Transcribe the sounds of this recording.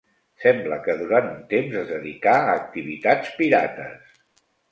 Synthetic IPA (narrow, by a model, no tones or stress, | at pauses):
sɛmbləkəðuɾant̪unt̪emzəzðəðikaːk̚t̪iβit̪at͡spiɾa̰t̪əs